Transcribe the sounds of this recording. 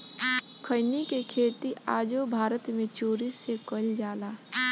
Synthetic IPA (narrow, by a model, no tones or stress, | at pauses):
kʰəɪnikekʰeːt̪iaːd͡ʒobʱaːɾət̪mẽt͡ʃoːɾisekəld͡ʒaːlaː